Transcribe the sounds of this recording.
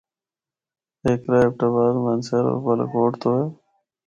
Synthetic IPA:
eːkɾaep̚ʈaːbaːd̪mənsəɾo̰ːbəl̰ːkoːʈt̪oːeː

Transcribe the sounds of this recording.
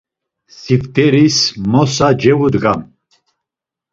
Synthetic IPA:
sift̪ʰʼɛɾismɔsad͡ʒɛvud̪ɡam

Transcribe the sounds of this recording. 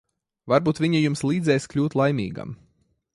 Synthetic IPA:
vaɾbuːt̪vʲiɲijumslˠiːd̪zɛjskʎʲuːt̪lˠajmʲḭːɡa̰m

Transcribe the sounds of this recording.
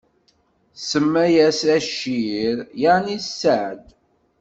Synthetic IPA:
səmːæjæsæʃiɾjanisːəʕd̪

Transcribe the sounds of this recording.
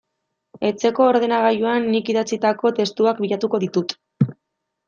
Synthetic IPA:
e̞t͡se̞ko̞ːɾðe̞naɣ̞ajuanːikiðat͡sit̪ako̞t̪e̞st̪uak̚biʎat̪uko̞ðit̪ut̪

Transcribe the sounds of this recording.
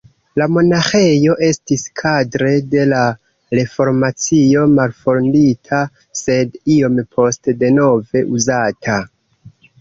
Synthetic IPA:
lamo̞naxe̞jo̞ʔe̞stiskʰadɾe̞de̞la | ɾe̞fo̞ɾmat͡sio̞malfo̞ɾnditʰa | se̞dio̞mpʰo̞stde̞no̞ve̞ʔuzatʰa

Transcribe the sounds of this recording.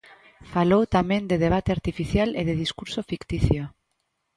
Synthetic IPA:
falowt̪amẽnd̪eð̞eβ̞at̪eaɾt̪ifiθjaleð̞eð̞iskuɾsofikt̪iθjo

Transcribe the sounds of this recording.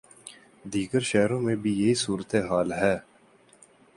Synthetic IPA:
d̪iːɡəɾʃɛɦɾõmẽbʱijɐɦisuːɾət̪eɦaːlɦɛː

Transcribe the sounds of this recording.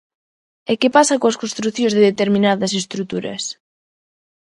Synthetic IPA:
ekepasɐkoɐskõnst̪ɾuθjõzðeðet̪eɾmĩnaðɐs̬est̪ɾut̪uɾɐ̰s

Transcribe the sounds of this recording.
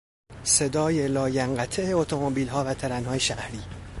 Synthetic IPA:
se̞d̪ɒːje̞lɒːjæŋɢæt̪ʰeeot̪ʰomobiːlɦɒːvæt̪ʰæɾænhɒːjeʃæhɾiː

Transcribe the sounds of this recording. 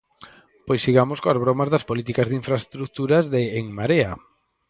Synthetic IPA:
pojsiɣamoskoazβɾomazðɐspolit̪ikazðiɱfɾaest̪ɾuk̚t̪uɾazðeːŋmaɾea

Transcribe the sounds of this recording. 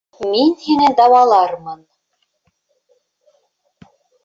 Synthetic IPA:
minhinɘd̪ɑwɑlˠɑɾmɤn

